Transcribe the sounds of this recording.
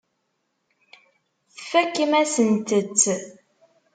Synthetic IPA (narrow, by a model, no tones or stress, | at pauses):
θəfækːimæsənt̪ət͡sː